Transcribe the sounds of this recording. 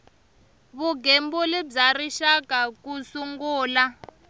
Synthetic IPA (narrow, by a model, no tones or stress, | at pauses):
βuɡembulɛb͡ʐariʃakakusuŋɡuːla